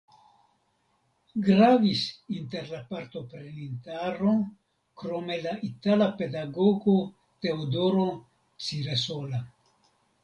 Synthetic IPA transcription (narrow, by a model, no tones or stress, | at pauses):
ɡɾavisint̪eɾlapaɾt̪o̞pɾenint̪aɾo | kɾome̞laʔit̪alape̞d̪aɡoɡo | t̪e̞od̪oɾo | t͡siɾesola